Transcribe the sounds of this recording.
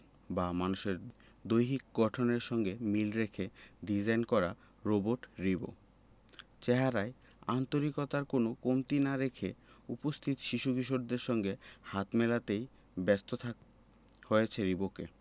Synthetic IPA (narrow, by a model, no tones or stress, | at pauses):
bamanuʃeɾ | d̪ojɦikɡɔʈʰoneɾʃɔŋɡemilɾekʰeɖid͡ʑajnkɔɾa | ɾoboʈɾibo̰ | t͡ɕeɦaɾae | ant̪oɾikot̪aɾkonokomt̪inaɾekʰeupost̪ʰit̪ʃiʃukiʃoʈd̪eɾʃɔŋɡehat̪mɛlat̪ej | bɛst̪ot̪ʰa | hoet͡ɕʰeɾibokḛ